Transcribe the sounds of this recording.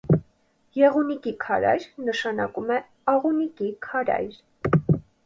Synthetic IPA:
jɛʁunikikʰɑɾɑ̰jɾnəʃɑnɑkumɛ | ɑʁunikikʰɑɾɑ̰jɾ

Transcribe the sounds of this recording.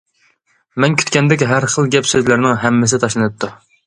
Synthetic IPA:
mɛnkʲʰy̥t̪kʲɛnd̪ɛkʲɦæɾχəlˠɡʲɛpsøzlæɾnɪŋɦɛmːɪsɪt̪ʰɑʃlˠɨnɨt̪̚ʰːu

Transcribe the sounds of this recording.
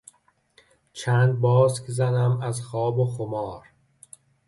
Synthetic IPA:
t͡ʃʰæːnd̪̚bɒːskʰzænæmæzxɒːboxomɒːɾ

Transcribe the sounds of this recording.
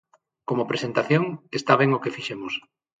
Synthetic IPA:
komopɾesent̪aθjoŋest̪aβ̞eŋokefiʃemos

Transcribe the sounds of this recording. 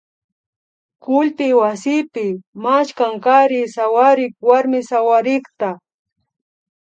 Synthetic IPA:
kʊlpɪwasɪpɪmaʃkaŋkaɾɪsawaɾɪkwaɾmɪsawaɾɪkt̪a

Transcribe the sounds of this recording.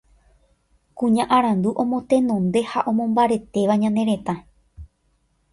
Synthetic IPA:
kũɲãʔaɾãnd̪uʔõ̞mõ̞t̪ẽ̞nõnd̪e̞haʔõ̞mõmbaɾe̞t̪e̞ʋaɲãnẽ̞ɾe̞t̪ã

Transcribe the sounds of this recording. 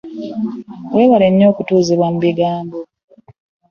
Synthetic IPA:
we̞ːβaleɲːo̞ːkutuːziβwamuβiɡaːmbo

